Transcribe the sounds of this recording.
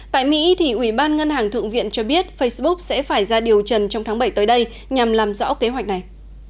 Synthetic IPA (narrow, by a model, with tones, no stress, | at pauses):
t̪a̰ː˧˨jmḭ˧˥t̪ʰi˨˩ʔwi˧˩ɓaː˧nŋə˧nhaː˨˩ŋt̪ʰɨ̰˧˨ŋvḭ˧˨ənt͡ɕɔ˧ɓi˦˥ət̚fə˧jsɓʊ˦˥k̚sɛ̰˧˥faː˧˩jzaː˧ɗi˨˩əwt͡ɕə˨˩nt͡ɕɔ˧wŋ͡mt̪ʰːɓə˧˩jt̪ːjɗə˧j | ɲa˨˩mlaː˨˩mzɔ̰˧˥ke˨˦ɦwa˨˩jk̟̚na˨˩j